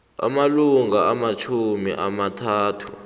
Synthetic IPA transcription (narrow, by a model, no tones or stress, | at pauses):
a̰maluŋaamat͡ʃʰumḭʔamatʰaːtʰu̥̰